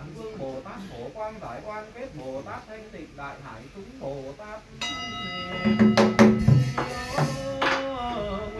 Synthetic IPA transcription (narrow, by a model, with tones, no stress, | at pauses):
nfɨ˧əŋmo˨˩t̪aː˦˥k̚ko˧˩kwaː˧nzaː˧˩jkwaː˧nke˦˥t̚mo˨˩t̪aː˦˥p̚t̪ʰe˧nt̪ḭ˧˨ŋla̰ː˧˨jɦa̰ː˧˩jsʊ˨˦ŋ͡mmo˨˩t̪aː˦˥t̚